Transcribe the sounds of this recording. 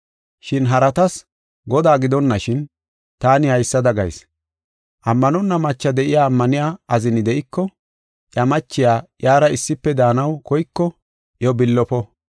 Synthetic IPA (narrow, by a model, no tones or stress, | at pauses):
ʃɪnɦɐɾɐt̪ɐs | ɡɔd̪aːɡɪd̪ɔnːɐʃɪn | t̪aːnɪhɐjsːɐd̪ɐɡɐ̰js | ʔɐmːɐnɔnːɐmɐt͡ʃːɐd̪ɛʔɪjaːmːɐnɪjaːɐzɪnɪd̪ɛʔɪkːɔ | ʔjɐmɐt͡ʃːɪjaːjaːɾɐɪsːɪpːɛd̪aːnɐwkɔjkːɔ | ʔjɔbɪlːɔpɔ